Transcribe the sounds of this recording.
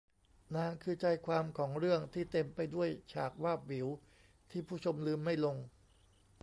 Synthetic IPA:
naː˧ŋkʰɯː˧t͡ɕaː˧jkʰwaː˧mkʰɔː˩˦ŋɾɯ˥˩əŋt̪ʰiː˥˩t̪e˧mpa˧jdu˥˩əjt͡ɕʰaː˨˩k̚waː˥˩p̚wi˩˦w | t̪ʰiː˥˩pʰuː˥˩t͡ɕʰo˧mlɯː˧mːa˥˩jlo˧ŋ

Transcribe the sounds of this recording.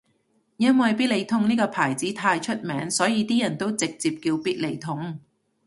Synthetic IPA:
jɐ˥nwɐ˨jpiː˥t̚le˨˧jt̪ʰʊ˥ŋniː˥kɔː˧pʰaː˨˩jt͡siː˨˥t̪ʰaː˧jt͡ʃʰɵ˥t̚mɛː˨˥ŋsɔː˨˥jiː˨˧t̪iː˥jɐ˨˩nt̪o˥wt͡sɪ˨k̚t͡siː˨p̚kiː˧wpiː˥t̚le˨˧jt̪ʰʊ˨˥ŋ

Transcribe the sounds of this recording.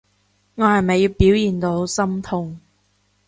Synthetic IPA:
ŋɔː˨˧hɐ˨˩jmɐ˨jːiː˨˧wpiː˨˥wjiː˨nt̪o˨˥who˧˨˧wsɐ˥mt̪ʰʊ˧ŋ

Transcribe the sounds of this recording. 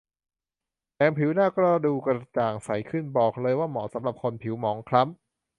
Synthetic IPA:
ʔɛː˧mpʰi˩˦wnaː˥˩kɾɔ˥˩duː˧ka˧t͡ɕaː˨˩ŋsa˨˩˦jkʰɯ˥˩nbɔː˨˩k̚lɤː˧jwaː˥˩mɔː˩˦sa˩˦mɾa˨˩p̚kʰo˧npʰi˩˦wmɔː˩˦ŋkʰɾa˦˥m̚

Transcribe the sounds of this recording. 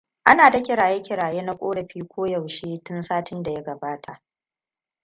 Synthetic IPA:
ʔa˦naː˨da˦kʲɪ˨ɽaː˨je˦kʲɪ˨ɾaː˨jeː˦na˦kʷʼoː˦ɽɐ˨ɸiː˦kʷoː˦jɐ˨wʃeː˦tʊ˦nsaː˦tɪ˦nda˨ja˦ɡɐ˨baː˦tʰa˨ʔ

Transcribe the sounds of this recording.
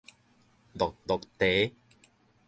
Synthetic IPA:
d̪ɔ˨k̚d̪ɔ˨k̚t̪e˨˦

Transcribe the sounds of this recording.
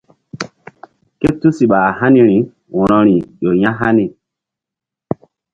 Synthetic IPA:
ke˦tu˦si˨ɓa˨ha˦ni˦ɾi˨˦ | wɔ̃˨ɾɔ̃˨ɾi˨jo˨jã˦ɦa˦ni˨

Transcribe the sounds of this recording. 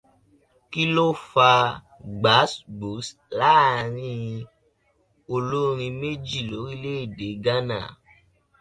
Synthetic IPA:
ki˦lo˦fa˧ | ɡ͡ba˨˦sbo˨˦s | la˦˨ɾ̃ĩ˦˧ | o˧lo˦ɾ̃ĩ˧me˦d͡ʒi˦˨lo˨˦ɾi˦le˦i˦˨de˨˦ɡa˦na̰˦˨

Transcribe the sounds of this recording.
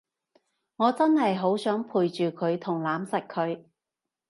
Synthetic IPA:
ŋɔː˨˧t͡sɐ˥nɦɐ˨jɦo˨˥wsœː˨˥ŋpʰuː˨jt͡ʃyː˨kʰɵ˨˧ɥt̪ʰʊ˨˩ŋlaː˨˥msɐ˨˩k̚kʰːɵ˨˧ɥ

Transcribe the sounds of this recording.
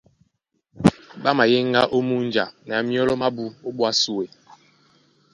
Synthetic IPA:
ɓa˦ma˨je˦ŋ˦ɡa˦ʔo˦mu˦n˦d͡ʒa̰˨nɛ˨a˨mjɔ˦lɔ˦ma˦bu˦o˦ɓwa˦su˦we˨

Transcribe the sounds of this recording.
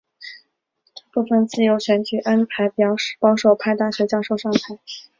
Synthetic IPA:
pu˥˩fə˥˩nt͡sɹ̩˥˩jo˧˥ʊɕɥɛ˧˥nt͡ɕy˨˩ʔa˥npʰa˧˥ɪpjɑ˨˩ʊʂ̩˥˩pɑ˥ʊʂo˨˩ʊpʰa˥˧ɪt̪a˥˩ɕɥɛ˧˥t͡ɕjɑ˥˧ʊʂo˥˧ʊʂɑ˥˧˩ŋpʰa˧˥ɪ

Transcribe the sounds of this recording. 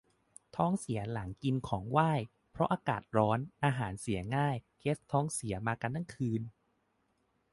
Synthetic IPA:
t̪ʰɔː˦˥ŋsi˩˦ɐla˩˦ŋki˧nkʰɔː˩˦ŋwaː˥˩j | pʰɾɔ˦˥ʔaː˧kaː˨˩t̪̚ɾɔː˦˥nʔaː˧ɦaː˩˦nsi˩˦ɐŋaː˥˩jkʰe˦˥t̪ʰːɔː˦˥ŋsi˩˦ɐmaː˧ka˧nːa˥˩ŋkʰɯː˧n

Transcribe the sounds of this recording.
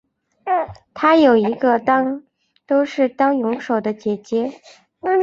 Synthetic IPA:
t̪ʰa˥jo˨˩ʊi˧˥ɡə˧t̪ɑ˥ŋ | t̪o˥ʊʂɻ̩˥˩t̪ɑ˥ŋjʊ˧˥ŋʂo˨˩ʊd̪ə˦t͡ɕjɛ˨˩t͡ɕjɛ˧˥

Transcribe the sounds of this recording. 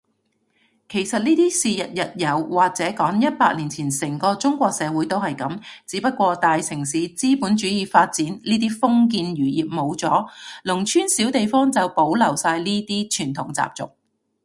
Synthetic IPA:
kʰe˨˩jsɐ˨t̚niː˥t̪iː˥siː˨jɐ˨t̚jɐ˨t̚jɐ˨˧wwaː˨˩k̚t͡sɛː˨˥kɔː˨˥ŋjɐ˥t̚paː˧k̚liː˨˩nt͡sʰiː˨˩nsɪ˨˩ŋkɔː˧t͡sʊ˥ŋkʷɔː˧k̚sɛː˨˧wu˨˥jt̪o˥whɐ˨jkɐ˨˥mt͡siː˨˧˥pɐ˥t̚kʷɔː˧t̪aː˨jsɪ˨˩ŋsiː˨˧t͡siː˥puː˨˥nt͡ʃyː˨˥jiː˨˧faː˧t̚t͡siː˨˥nliː˥t̪̬iː˥fʊ˥ŋk̬iː˧njyː˨˩jiː˨p̚mo˨˧wt͡sɔː˨˥lʊ˨˩ŋt͡ʃʰyː˥nsiː˨˥wt̪e˨jfɔː˥ŋt͡sɐ˨wpo˨˥wlɐ˨˩wsaː˧jniː˥t̪iː˥t͡ʃʰyː˨˩nt̪ʰʊ˨˩ŋt͡sa̰ː˨p̚t͡sʊ̰˨k̚

